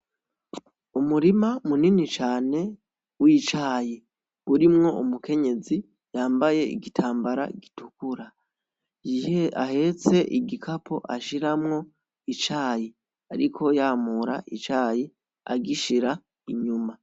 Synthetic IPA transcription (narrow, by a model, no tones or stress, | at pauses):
umuɾimamuninit͡ʃaːne̞ | wit͡ʃaːji | uɾimŋo̞umuke̞ɲe̞zi | jaːmbaje̞ḭɡitʰaːmbaɾa̰ɡitukuɾa | a̰ɦe̞t͡se̞ʔiɡikʰapo̞ʔaʃiɾamŋo̞ | it͡ʃaːji | aɾikʰo̞jaːmuɾa̰ʔit͡ʃaːji | a̰ɡiʃiɾa | iɲuma